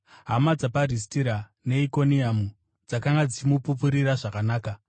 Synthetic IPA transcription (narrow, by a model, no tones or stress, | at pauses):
ɦamad͡zaparistiɾa | ne̞iko̞niamu | d͡zakaŋɡad͡zit͡ʃimupupuɾiɾaʐakanaːka